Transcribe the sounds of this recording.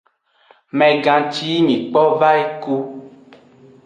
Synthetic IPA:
mɛ̃˨ɡã˨t͡ʃi˦ɲĩ˨k͡pɔ˦va˦e˦ku˦

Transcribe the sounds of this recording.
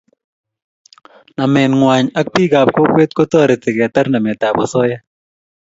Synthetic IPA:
na˨mɛ˨nŋwa˨ɲa˦k̚pi˦ɡa˨p̚ko˦kwe˦t̚ko˦tɔ˦˨ɾɪ˨tɪ˨kɛ˨tɛ˦ɾna˨mɛ˨ta˨bɔ˨sɔ˦ja˦

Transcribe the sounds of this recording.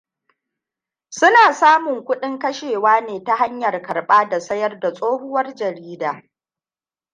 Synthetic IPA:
sʊ˦naː˨saː˦mʊ˨ŋkʷʊ˦ɗɪ˦ŋkɐ˦ʃeː˨waː˦neː˨ta˦ɦa˦ɲjɐ˨rkɐ˨rɓaː˦da˨sɐ˦jɐ˦rda˨sʼoː˦hʊ˦wɐ˦rd͡ʒɐ˨ɾiː˦daː˨

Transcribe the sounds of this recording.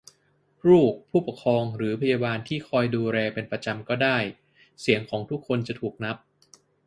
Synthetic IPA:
ɾuː˥˩k̚pʰːuː˥˩pa˨˩kʰɾɔː˧ŋɾɯː˩˦pʰa˧jaː˧baː˧nt̪ʰiː˥˩kʰɔː˧jduː˧ɾɛː˧pe˧npɾa˧t͡ɕa˧mkɔː˥˩daː˥˩j | si˩˦əŋkʰɔː˩˦ŋt̪ʰu˦˥kʰːo˧nt͡ɕa˨˩t̪ʰuː˨˩k̚na˦˥p̚

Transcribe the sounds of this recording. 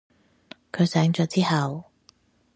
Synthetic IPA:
kʰɵ˨˧ɥsɛː˨˥ŋt͡ʃœː˨˧t͡siː˥hɐ˨w

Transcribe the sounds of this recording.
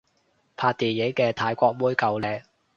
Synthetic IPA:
pʰaː˧t̚t̪iː˨je˨˥jkɛː˧t̪ʰaː˧jkʷɔː˧k̚muː˥jkɐ˨˧wlɛː˨˧ŋ̚

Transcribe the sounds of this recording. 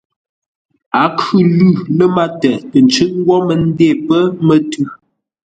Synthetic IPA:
a˨˦kʉ˦˨lʉ˦˨lə˦ma˦tə˨tə˨nt͡ʃɨ˦ʔŋ˦ɡwɔ˦mə˨n̩˦de˦˨pə˦mə˦tʉ˦˨

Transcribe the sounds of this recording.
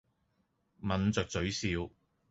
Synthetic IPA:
mɐ˨˥nt͡sœ˨k̚t͡sɵ˨˥ɥsiː˧w

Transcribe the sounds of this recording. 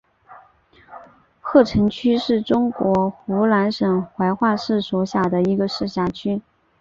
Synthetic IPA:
xʰɤ˥˩ʈ͡ʂʰɤ˧˥ŋt͡ɕʰy˥ʂɻ̩˥˩ʈ͡ʂʊ˥ŋkwɔ˧˥xu˧˥la˧˥nʂə˨˩ŋxwa˧˥ɪxwa˥˧ʂɻ̩˥˩swɔ˧˥ɕja˨˩d̪ə˦i˧˥ɡə˧ʂɻ̩˥˩ɕja˥˩t͡ɕʰy˥

